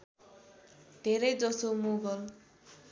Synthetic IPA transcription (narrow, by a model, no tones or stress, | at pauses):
d̪ʱeɾʌjd͡zʌsomuɡʌl